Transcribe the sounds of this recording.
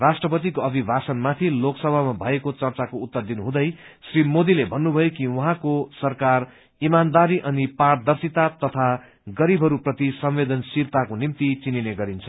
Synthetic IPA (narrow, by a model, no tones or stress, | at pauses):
rasʈrʌpʌt̪ikoʌbʱibʱasʌnmat̪ʰiloksʌbʱamabʱʌekot͡sʌrt͡sakout̪ːʌrd̪inuɦũd̪ʌjsrimod̪ilebʱʌnːubʱʌjokiwuɦãkosʌrkar | imand̪aɾiʔʌnipard̪ʌrsit̪at̪ʌt̪ʰa | ɡʌɾibʱɦʌɾuprʌt̪isʌmwed̪ʌnsiɾt̪akonimt̪it͡sinineɡʌɾint͡sʰʌ